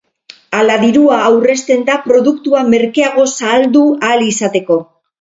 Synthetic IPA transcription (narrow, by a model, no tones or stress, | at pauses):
alaðiɾuaːwre̞st̪e̞nd̪apɾo̞ðukt̪uame̞ɾkeaɣ̞o̞saːld̪ualisat̪e̞ko̞